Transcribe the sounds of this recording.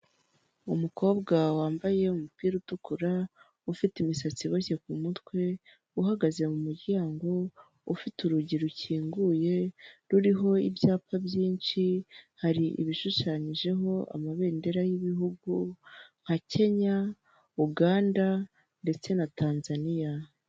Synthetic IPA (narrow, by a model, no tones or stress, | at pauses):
umuko̞ːbɡawaːmbaje̞umupiːɾutukuɾa | ufitimisat͡siβoçe̞k̚umutwe̞ | uɦaɡaze̞mumuɾɟaːŋɡo̞ | ufituɾuɟiɾuciːŋɡuje̞ɾuɾiɦo̞ibjaːpabjiːnʃihaɾiʔḭβiʃuʃaːɲiʒe̞ɦo̞ʔa̰maβe̞ːnde̞ɾajiβiɦuɡuŋ̥hacʰe̞ɲa | uɡaːnda | nde̞t͡se̞natʰaːnzanija